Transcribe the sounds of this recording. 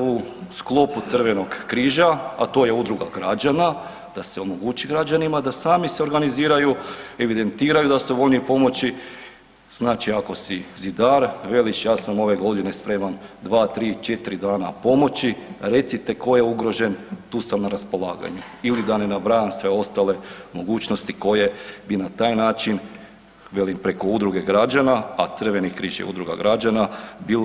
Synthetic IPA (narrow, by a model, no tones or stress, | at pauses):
usklˠo̞put̪sər̩ʋe̞no̞ɡkɾiːʒaa̰t̪o̞ːje̞ud̪ɾuɡa̰ɡɾad͡ʒana | d̪̥aseo̞moɡut͡ɕiɡɾad͡ʒanimad̪asaːmiseo̞ɾɡaniziːɾajueʋid̪e̞nt̪iːɾajud̪asuʋo̞ʎnipo̞mo̞t͡ɕi | z̥naːt͡ʃiako̞sizid̪aːɾʋe̞lit͡ʃjaːsamo̞ʋe̞ɡo̞d̪ine̞spɾe̞mand̪ʋaːt̪ɾiːt͡ʃe̞t̪ɾid̪aːnapo̞mo̞t͡ɕiɾe̞t̪sit̪e̞ko̞jeuɡɾo̞ʒe̞nt̪uːsamnaɾaspo̞lˠaːɡa̰ɲuilid̪ane̞nabɾaːjamsʋe̞o̞st̪ale̞mo̞ɡuːt͡ɕno̞st̪iko̞je̞binat̪aːjnaːt͡ʃin | ʋe̞limpɾe̞ko̞ud̪ɾuɡe̞ɡɾad͡ʒanaat̪sr̩ʋe̞nikɾiːʒḛṵd̪ɾuɡa̰ɡɾad͡ʒanabil